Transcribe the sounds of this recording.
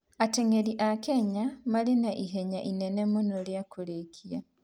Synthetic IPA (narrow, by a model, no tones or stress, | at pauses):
ateŋeɾiʔakeɲamalenaʔiɦeɲaʔinenemonoljakuɾekʰia